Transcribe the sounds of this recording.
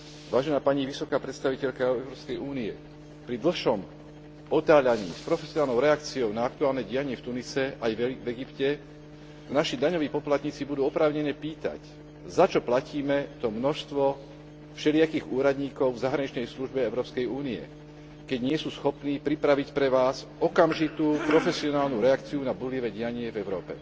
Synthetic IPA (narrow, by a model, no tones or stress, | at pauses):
ʋaːʒɛnaːpaɲiʋisɔkaːpɾɛt̪st̪aʋicɛʎkaɛʊɾɔːpskɛjʔuːniɛ̰ | pɾid̪l̩xʃɔm | ɔt̪aːʎaɲḭːspɾɔfɛsiɔnaːlnɔʊɾɛakt͡siɔʊnaak̚t̪uaːlnɛɟijaɲɪɛft̪unisɛʔajvvɛɡipcɛ | naʃid̪aɲɔʋiːpɔplat̪ɲiːt͡sibud̪uːɔpɾaːʊɲɛɲɛpiːt̪a̰c | zat͡ʃɔplaciːmɛt̪ɔmnɔʃst̪ʋɔ | fʃɛlɪakiːɣuːɾad̪ɲiːkɔʊvzaɦɾaɲit͡ʃnɛjsluʒbɛɛʊɾɔːpskɛjuːniɛ̰ | kɛɟɲɪɛsuːsxɔpniːpɾipɾaʋicpɾɛʋaːz | ɔkamʒit̪uːpɾɔfɛsiɔnaːlnuɾɛakt͡siunabuliʋɛɟɪaɲɪɛvɛʊɾɔːpɛ̰